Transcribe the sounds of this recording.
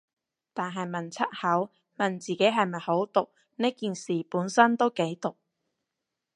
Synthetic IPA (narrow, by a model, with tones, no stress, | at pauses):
t̪aː˨nɦɐ˨jmɐ˨˩nt͡sʰɐ˥t̚hɐ˨˥w | mɐ˨˩nt͡siː˨ke˨˥jɦɐ˨jmɐ˨jho˨˥wt̪ʊ˨k̚ | neː˥kiː˨nsiː˨puː˨˥nsɐ˥nt̪o˥wke˨˥jt̪ʊ˨˩k̚